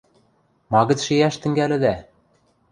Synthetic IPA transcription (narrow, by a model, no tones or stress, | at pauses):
mɑɣɤ̆t͡s̪ʃejæʃt̪ɘ̆ŋɡælɘ̆d̪æ